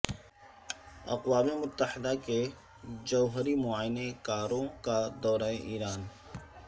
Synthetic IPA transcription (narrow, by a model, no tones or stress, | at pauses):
ɐ̰qwaːmemʊt̪ːəħɪd̪ake | d͡ʒɐːɦəɾimʊaːjɪnekaːɾõkad̪ɔːɾaẽʔiːɾaːn